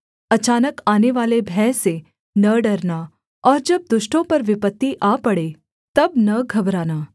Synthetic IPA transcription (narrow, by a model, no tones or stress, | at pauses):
ət͡ʃaːnəkaneʋaːlebʱɛse | nəɖəɾna | ɔːɾd͡ʒəb̚d̪ʊʃʈõpəɾʋɪpət̪ːiʔapəɽe | t̪əbnəɡʱəbɾaːnaː